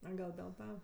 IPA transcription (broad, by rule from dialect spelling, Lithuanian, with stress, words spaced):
ɐ ˈɡɐlˠ dʲeːlˠ ˈtɐ